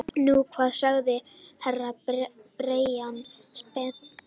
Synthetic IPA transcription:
nukʰvaːðsœɣðɪ | hɛrapɾeːjan | spɛ

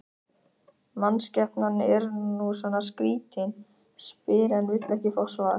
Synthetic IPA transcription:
manːscɛpnanːɛɾnusvanːaskɾiːt̪ɪn | spɪːɾɛnvɪt̪lɛhcɪfɔwsvaða̰

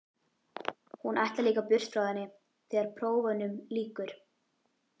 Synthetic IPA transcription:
hunʔajht̪laliːkapʏr̥st̪fɾawðɛnːɪ | θɛːɣaɾ̥pʰɾoːwvanʏmliːkʏɾ̥

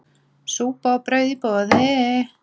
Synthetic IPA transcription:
suːpaɔpɾœɥðipɔːðɛ

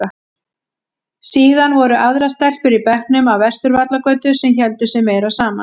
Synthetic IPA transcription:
a | siːðanvɔɾʏʔaðɾast̪ɛr̥pʏɾipɛhknʏmawvɛr̥st̪ʏɾvat̪lakœːt̪ʏsɛmçɛl̪t̪ʏsɛmeːjɾasaːma̰

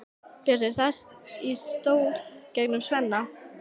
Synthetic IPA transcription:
pɛsɛsajst̪ist̪oːwcɛknʏmsvɛnːa

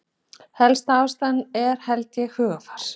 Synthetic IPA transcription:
hɛlst̪aːwst̪anːɛɾ̥hɛlt̪jɪhʏːɣafaɾ̥

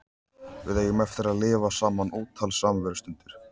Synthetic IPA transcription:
vɪðeːjʏmɛft̪ɪɾaðlɪːvasaːmanoːt̪ʰːalsaːmvɛɾʏst̪ʏnt̪ɪɾ̥

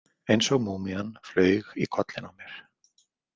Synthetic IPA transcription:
ejnsɔɣmuːmianflœːɥɣikʰɔt̪lɪnawmjɛɾ̥

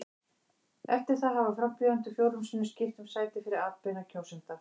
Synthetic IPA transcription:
ɛft̪ɪɾ̥θaðɦavafɾampjœðant̪ʏfjowɾlʏmsʏnːʏscɪft̪ʏmsaːjt̪ɪfɪɾɪɾaːt̪pɪnacʰowsɪnt̪a

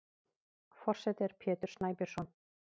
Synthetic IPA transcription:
fɔr̥sɛt̪ɪɾ̥pʰjɛːt̪ʏɾ̥snaːjpɛɾ̥sɔn

